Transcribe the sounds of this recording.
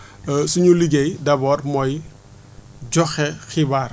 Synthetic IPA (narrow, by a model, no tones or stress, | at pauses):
suɲuliɡejdɐbɔːrmɔj | ɟɔxɛxibaːr